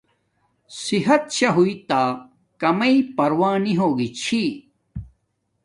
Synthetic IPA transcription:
siɦɐt̪̚ɕɐɦuit̪aː | kɐmɐipɐɾwaːniɦoːɡit͡ɕʰi

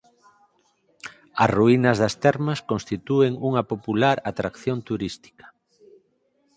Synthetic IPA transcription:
ɐsruinɐzðɐst̪ɛɾmɐskõnst̪it̪ueŋuŋɐpopulaɾat̪ɾakθjont̪uɾist̪i̥kḁ

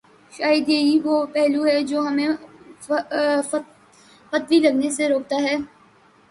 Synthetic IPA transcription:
ʃaːɪd̪eːiʋoːpɛɦluɦɛd͡ʒoːɦɐmẽ | fɐt̪ʋilɐɡneseɾoːk̚t̪aɦɛː

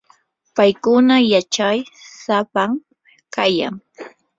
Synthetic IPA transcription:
pajkʊnajat͡ʃajsapaŋ | kaja̰ŋ

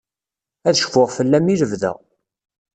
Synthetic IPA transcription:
æðʃfʊʁfəlːæmiləvðæ̰

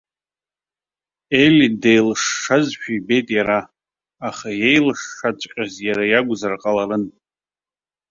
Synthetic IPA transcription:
e̞lidejlʂːazʃᶣaibe̞jtʼjaɾaː | χaje̞jlʂːat͡ʃʷʼqʲʼazjaɾajaɡʷzarqʼalaɾɨn

